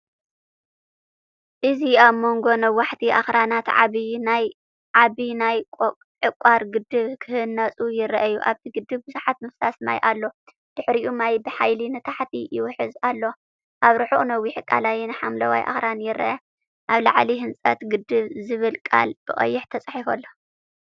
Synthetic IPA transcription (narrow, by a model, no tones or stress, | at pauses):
ʔɨziaβmo̞ŋɡo̞nɐwːaħt̪ʰiʔa̰xɾanat̪ʕβinaj | ʕaβinajkʼ | ʕɨkʼːaɾɡɨd̪ɨβkʰɨhɨnːɐt͡sʼujɪɾʔɐjːuʔaβt̪ʰiɡɨd̪ɨβbɨzuħat̪̚mɨfsasma̰jʔalːo̞ | d̪̥ɨħɾiʔumajbɨħajlinɨt̪ʰaħt̪ʰijɪwʊħɨzalːo̞ | ʔaβɾɨħuʔʼnɐwːiħɨkʼa̰lajinɨħamlɐwa̰jʔa̰xɾanjɪɾʔɐ̰ʔɐ | ʔaβla̰ʕliɦɨnt͡sʼɐt̪ɡɨd̪ɨβzɨβɨlkʼa̰lb̥ɨχʼɐ̰jːɪħt̪ʰɐt͡sʼaħifɐ̰lːo